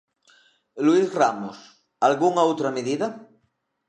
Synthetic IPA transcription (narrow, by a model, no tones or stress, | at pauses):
luizramos | alɣuŋaowt̪ɾameðiða